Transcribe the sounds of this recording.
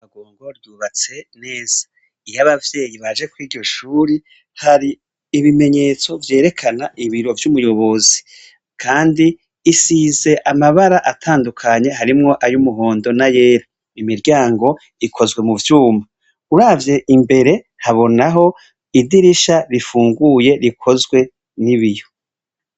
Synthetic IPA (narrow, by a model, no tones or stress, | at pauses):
aɡoːŋɡoɾjuβat͡se̞ne̞ːz̥ḁ | ijaβavje̞ːjiβad͡ʒe̞kwiːɾɟo̞ʃuːɾi | haɾiː | βime̞ɲe̞ːt͡so̞vje̞ːɾe̞kʰanaʔiβiɾo̞vjumujo̞βo̞zi | kʰaːndiː | size̞ʔamaβaɾaʔatʰaːndukʰaɲe̞ɦaɾimŋo̞ʔajumuɦo̞ːndo̞naje̞ːɾa | imiɾɟaːŋɡo̞ | ikʰo̞zɡwe̞muvjuːma | uɾaːvje̞ʔimbe̞ɾe̞ | haβo̞naɦo̞ | idiɾiʃaɾifuːŋɡuje̞ɾikʰo̞zɡwe̞ | niβijo̞